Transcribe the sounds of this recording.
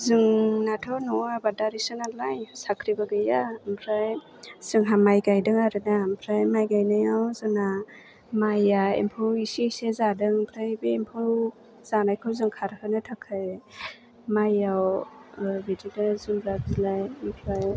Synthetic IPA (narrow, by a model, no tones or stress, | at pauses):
zɯŋnatʰawnɔabadaɾisɯnalajsakʰɾibaɡɯjampʰɾaj | sɯŋɦamajɡajdɯŋaɾɯnampʰɾajmajɡajnɯjawzɯna | majaḛmpʰɯwisisezadɯŋmpʰɾajbeːmpʰɯw | z̥anajkʰɯwzɯŋkʰaɾhɯnɯtʰakʰɯj | majaw | bididazɯmbɾak̚zilajmpʰɾaj